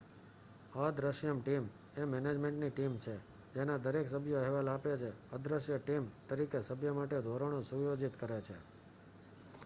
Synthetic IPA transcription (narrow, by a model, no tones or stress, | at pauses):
əd̪ɾəʃjəmʈim | emɛned͡ʒmẽɳʈniʈimt͡ʃʰe | d͡ʒenad̪əɾeksəbʱjoɛɦʋalapet͡ʃʰeəd̪ɾəʃjəʈimt̪əɾikesəbʱjəmaʈed̪ʱoɾəɽ̃õsujod͡ʒit̪kəɾet͡ʃʰe